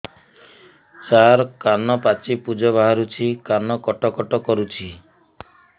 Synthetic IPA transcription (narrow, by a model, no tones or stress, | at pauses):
t͡ʃaɾkanɔpat͡ʃipud͡ʒɔbaɦaɾut͡ʃʰikanɔkɔʈɔkɔʈɔkɔɾut͡ʃʰi